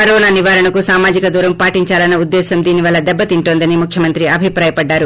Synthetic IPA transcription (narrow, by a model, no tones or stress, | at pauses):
kɐɾɔːnaːniʋaːɾɐɳɐkusaːmaːd͡ʒikɐd̪uːɾɐmpaːʈiɲt͡ʃaːlɐnːɐud̪ːɛːsɐmd̪iːniʋɐlːɐd̪ɛbːɐt̪iɳʈoːnd̪ɐnimukʰjɐmɐnt̪ɾiɐbʱipɾaːjɐpɐɖːaːɾu